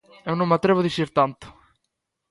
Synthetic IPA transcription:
ewnõmat̪ɾeβ̞oðisiɾt̪ant̪ʊ̥

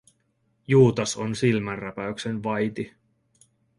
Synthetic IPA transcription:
juːt̪ɑsonsilmænræpæyksenʋɑjt̪i

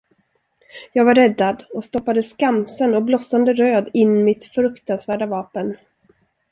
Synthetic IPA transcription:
jɑːɡvaɾːɛd̪ːad̪ɔst̪ɔpːad̪əskamsənɔblɔsand̪əɾøːd̪ɪnːmɪt̪fɾɵkt̪ansvæːɖavɑːpən

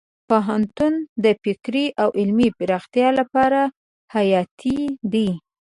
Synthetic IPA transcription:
poɦant̪und̪əfɪkɾiʔawʔɪlmipɪɾɑxt̪jɑlapɑɾa | hajɑt̪ʰid̪i

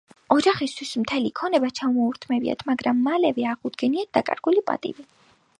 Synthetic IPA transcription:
ɔd͡ʒaχist̪ʰwismt̪ʰɛlikʰɔnɛbat͡ʃʰamɔuɾt̪ʰmɛbia̰t̪ʰmaɡɾamːalɛvɛaʁud̪ɡɛniat̪̚d̪akʼa̰ɾɡ̥ulipʼa̰t̪ʼḭvi

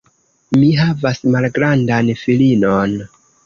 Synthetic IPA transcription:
miɦavasmalɡɾandanfilinon

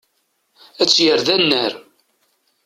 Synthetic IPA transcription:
æt͡sːjəɾðænːəɾ

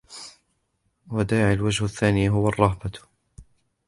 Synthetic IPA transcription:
wad̪aːʕalwad͡ʒhʊθːaːniːɦʊwɑrˤːɑhba

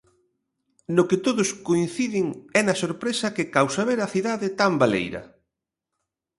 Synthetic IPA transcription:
nʊkɪt̪oðʊskoĩn̟θiðɪŋɛnɐsoɾpɾesɐkɪkawsaβeɾɐθiðaðɪt̪ambalḛjɾɐ̰

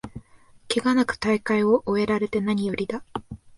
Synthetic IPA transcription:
keɡanakɯ̥t̪aikaio̞ʔoe̞ɾaɾe̞t̪e̞naɲ̟ijo̞ɾʲid̪a

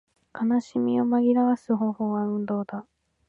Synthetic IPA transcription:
kʰanaɕimʲio̞maɡʲiɾaβasɨɦõ̞ːho̞ːβaɯ̟̃nd̪o̞ːd̪a

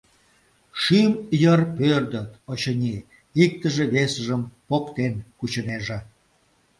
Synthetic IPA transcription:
ʃymjərpørd̪ət̪ot͡ɕənʲi | ik̚t̪əʒeβesəʒəmpokt̪enkut͡ɕəneʒĕ

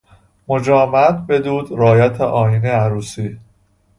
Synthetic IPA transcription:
mod͡ʒɒːmæt̪̚be̞d̪uːd̪ɾɒːjæt̪ʰeʔɒːjineæɾuːsiː

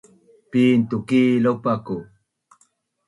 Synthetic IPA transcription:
piːnt̪ukiːlopaku

